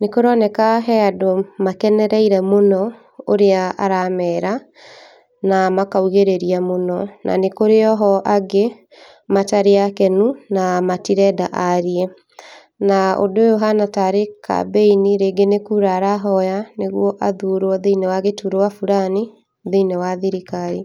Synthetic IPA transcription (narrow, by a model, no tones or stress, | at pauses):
nekoɾɔnɛkaɦɛadomakɛnɛɾɛiɾɛmonɔ | oɾeaaɾamɛːɾa | namakauɣeɾeɾiamonɔnʔa̰nekoɾeɔɦɔʔaɡe | mataɾeakɛnunamatiɾɛdaʔaɾiɛ | nao̰dojoɦanataɾeka̰beiniɾeɡenekuɾaːɾaɦɔjaneɣwɔʔaðuɾwɔðeinewaɣetuɾowafuɾani | ðeinewaðiɾikaɾi